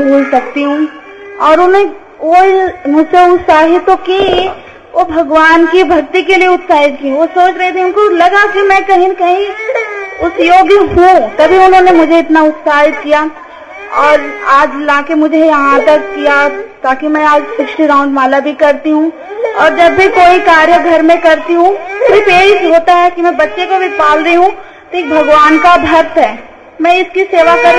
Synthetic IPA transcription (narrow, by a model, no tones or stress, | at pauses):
bʱuːlsɐk̚t̪iɦũ | ɔːɾʊnẽ | oːimʊd͡ʒseʊt̪saːɦɪt̪oki | ʋobʱɐɡʋaːnkibʱɐkt̪ikelieʊt̪saːɦɪt̪kĩʋosoːt͡ʃɾɛet̪ʰĩʊ̃nkolɐɡakimɛ̃kɐɦĩnkɐɦĩ | ʊsjoːɡjɦũt̪ɐbʱiʊnɦõnemʊd͡ʒʱeɪt̪naʊt̪saːɦɪt̪kija | ɔːɾaːd͡ʒlaːkemʊd͡ʒʱejɐɦãt̪ɐkːijat̪aːkimɛ̃aːd͡ʒfɪksʈiɾãːʊ̃ɳɖmaːlabʱikɐɾt̪iɦũ | ɔːɾd͡ʒɐbːʱikoːikaːɾjəɡʱɐɾmẽkɐɾt̪iɦũʊbipeːɽɪʃɦoːt̪aɦɛkimɛ̃bɐtːʃekobʱipaːlɾeɦũ | t̪oeːk̚bʱɐɡʋaːnkabʱɐɾt̪ɦɛː | mɛ̃ɪskiseːʋakɐɾ